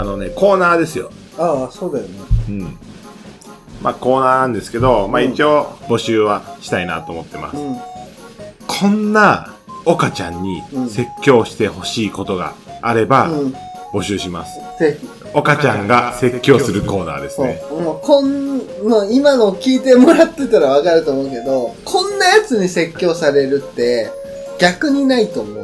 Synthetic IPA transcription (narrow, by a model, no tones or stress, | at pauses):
ano̞ne̞ko̞ːnaːd̪e̞sɨjo̞̰ | asoːd̪ajoneɯ̟̃ɴ | maːko̞ːnaːnãnd̪e̞sɨ̥ke̞d̪o̞maːit͡ɕio̞ːbo̞ɕɨːβaɕi̥t̪aina̰t̪o̞ːmo̞t̪ːema̰sɨ̥ | kʰõ̞nːao̞kat͡ɕãɲ̟ːise̞kʲːo̞ːɕi̥t̪e̞ho̞ɕiːko̞t̪o̞ɡa̰ːɾe̞bãbo̞ɕɨːɕima̰sɨ̥ze̞çi | o̞kat͡ɕãŋɡase̞kʲːo̞ːsɨɾɯ̟ko̞ːna̰ːd̪e̞sɨnekõ̞nnːo̞imano̞kʲiːt̪e̞mo̞ɾat̪ːe̞t̪aɾaβ̞akaɾɯ̟t̪o̞ːmo̞ɯ̟ke̞d̪o̞kʰõ̞nːajat͡sɨɲ̟ise̞kʲːo̞ːsaɾe̞ɾɯ̟t̪ːe̞ | ɡ̥ʲakɯ̟ɲ̟inait̪o̞ːmo̞̰